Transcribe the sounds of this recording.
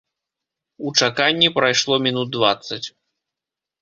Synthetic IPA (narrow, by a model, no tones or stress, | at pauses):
ut͡ʂakanʲːipɾajʂlˠɔmʲinud̪̚d̪vat̪sːɐt͡sʲ